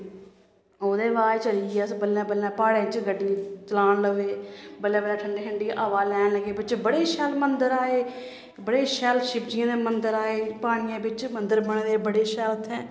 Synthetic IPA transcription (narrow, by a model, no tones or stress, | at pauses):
oːd̪eːʋaːt͡ʃəliːɛsbəlãːbəlːãːpaːɽẽːt͡ʃɡəɖːiːt͡ʃəlaːnləɡʋeːbəlːãːbəlãːʈʰəɳɖeːʈʰəɳɖiːʔaʋaːlɛːnləɡeːbɪt͡ʃbəɽeːʃɛlmənd̪əɾaːeː | bəɽeːʃɛːlʃɪpd͡ʒiãːd̪eːmənd̪əɾaːeːpaːɽ̃ɪjãːbɪt͡ʃmənd̪əɾbəɳẽːd̪eːbəɽeːʃɛːlət̪ʰːɛ̃ː